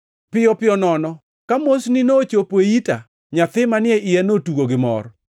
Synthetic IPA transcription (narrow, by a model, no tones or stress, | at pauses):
pɪɔpɪɔnɔnɔ | kamosnɪnot͡ʃopweita | ɲat̪ɪmanɪɛɪɛnotuɡoɡɪmɔ̰r